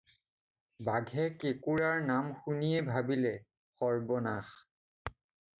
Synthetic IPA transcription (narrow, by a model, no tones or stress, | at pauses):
baɡʱɛkekuɹaɹnamxuniɛbʱabilɛ | xɔɹbɔna̰x